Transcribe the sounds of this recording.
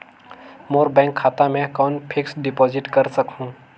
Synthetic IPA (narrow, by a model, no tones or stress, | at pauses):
moːɾbɛ̃ːŋkʰːaːt̪amẽkɔːnpʰɪksɖɪpɔːzɪʈkɐɾsəkɦũː